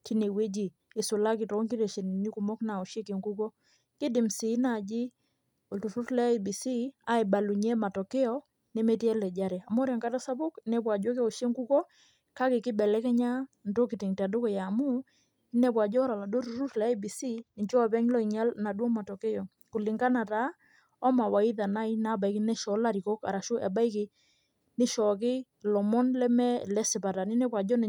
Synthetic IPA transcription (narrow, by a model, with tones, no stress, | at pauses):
ti˦ne˨we˦d͡ʒiː˨ | sʊ˨la˦kɪ˨tɔ˨˦ŋki˦te˨ʃe˨ni˨ni˦ku˨mɔ˦kna˨o˨ʃe˦ke˨ŋɡu˦kɔ˦ | kɪ˦dɪ˨msi˨˦na˦˨d͡ʒi˦ | o˨tu˨tu˦tlɛ˦˨bi˨si˦a˦e˨ba˨lu˨ɲe˦ma˨tɔ˨ke˦ɔ˦ | nɛ˦mɛ˦ti˦ɛ˦lɛ˨d͡ʒa˦ɾɛ˨a˨mɔ˦ɾɛ˨ŋka˦ta˦sa˦bʊ˦knɛ˦pwa˨d͡ʒo˦k̬o˨ʃe˦ŋɡu˦kɔ˦ | ka˦kɪ˨kɪ˦bɛ˨lɛ˦kɛ˦ɲa˦ndo˦kɪ˨tɪ˨ŋta˨do˦kɔ˨ja˨mu˦ | ɪ˦nɛ˨pwa˨d͡ʒɔ˦ɾa˨la˨do˦ɾu˨ɾu˦tlɛ˨a˦bi˨si˦nɪ˨ɲd͡ʒɔ˦a˨pɛ˦ɲlɔ˦i˨ɲa˦lna˨dɔ˦ma˨tɔ˨ke˦jɔ˨ | kʊ˨lɪ˨ŋɡa˦na˨ta˨˦ | ɔ˦ma˨wa˨i˦ða˨na˦i˦na˦ba˨i˦kɪ˦nɛ˦ʃɔ˨˦la˦ɾi˨kɔ˦ka̰˨ɾa˨ʃʊ˦ʔɛ˨ba˦i˦kɪ˨ | nɪ˦ʃɔ˨k̬ɪ˦ | lɔ˨mɔ˦nlɛ˦mɛ˦lɛ˦sɪ˨pa˨ta˨nɪ˦nɛ˦pwa˨d͡ʒɔ˦n˨